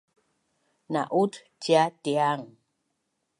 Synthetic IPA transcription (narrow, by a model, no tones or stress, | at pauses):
na̰ʔut | tjatiaŋ